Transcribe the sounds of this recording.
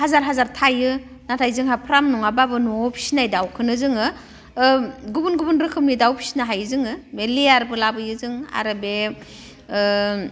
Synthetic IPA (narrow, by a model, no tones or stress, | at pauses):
hazaɾɦazaɾtʰajɯ | natʰajzɯŋɦapʰɾamnuŋababɯnɔpʰi̥sinajdawkʰɯnɯzɯŋɯ | ɡubunɡubunɾɯkʰɯmnidawpʰi̥sinaɦajzɯŋɯbeleaɾbɯlabɯjɯzɯŋa̰ɾɯbe